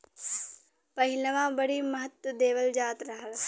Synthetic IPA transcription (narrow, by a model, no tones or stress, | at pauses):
pɐɦilɐʋãːbɐɽiːmɐɦɐt̪wɐd̪eːʋɐld͡ʒaːt̪ɾɐɦɐl